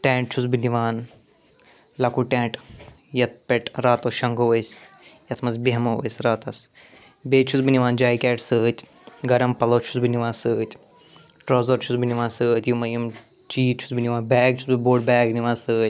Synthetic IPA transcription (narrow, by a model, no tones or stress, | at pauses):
ʈɛ̃ːɳʈ̚t͡ʃʰusbiniʋaːn | lɐkuʈẽːʈ | jɐt̪̚ʰpeʈɾaːt̪oːʃɐŋɡoːʋəjs | jɐt̪ʰmɐzbiɦɐmoʋə̰jsʲɾaːt̪ɐs | beːt͡ʃʰusbiniʋaːnd͡ʒaːjkɛːʈsɨːt̪ʲ | ɡɐɾɐmpɐloːt͡ʃʰu̥sbiniʋaːnsɨːt̪ʲ | ʈɾoːzɐɾt͡ʃʰusbiniʋaːnsɨːt̪jumɐjɐm | t͡ʃiːt͡ʃʰu̥sbiniʋaːnbɛːɡ̚t͡ʃʰu̥sbiboːɖ̚bɛːɡniʋaːnsɨːt̪ʲ